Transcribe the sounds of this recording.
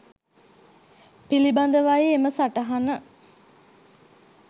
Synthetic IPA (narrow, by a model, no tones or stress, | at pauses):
piliband̪əʋajeeməsaʈəɦanə